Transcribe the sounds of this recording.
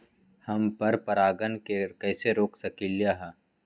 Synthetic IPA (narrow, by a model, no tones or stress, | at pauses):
hɐmpɐɾpɐɾaːɡənkekɛːseɾoːksɐkiljaɦɛː